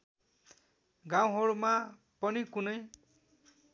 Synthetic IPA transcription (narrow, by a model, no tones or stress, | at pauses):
ɡãw̃ɦʌɽuma | pʌnikunʌj